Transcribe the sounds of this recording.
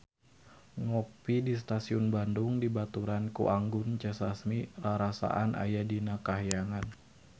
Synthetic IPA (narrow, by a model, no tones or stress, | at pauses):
ŋɔpidist̪asiunbandʊŋdibat̪uɾankṵʔaŋɡʊnt͡ʃɛsasmiraɾasa̰ʔanʔa̰jadinakaɦjaŋan